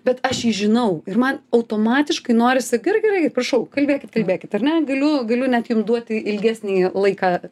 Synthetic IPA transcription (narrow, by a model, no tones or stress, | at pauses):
bʲɛt̪ɐʃjiːʒʲɪnɐʊɪrmɐnɐʊt̪oːmɑːt̪ʲɪʃkɐɪnoːɾʲɪsʲɪɡɪrɡʲɛrɐɪkʲɪtprɐʃɐʊkɐlʲbʲeːkʲɪt̪̚kɐlʲbʲeːkʲɪt̪ɐrʲnʲɛɡɐlʲʊɡɐlʲʊnʲɛt̪jʊmd̪uɔt̪ʲɪɪlʲɡʲæːsʲnʲiːlˠɐɪkɑː